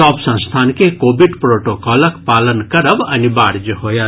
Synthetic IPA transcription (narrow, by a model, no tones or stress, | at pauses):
ɔbsə̃st̪ʰankekoːbʱiɖpɾoʈokɔləkpaːlənkəɾəbɐnibaɽd͡ʒəɦoja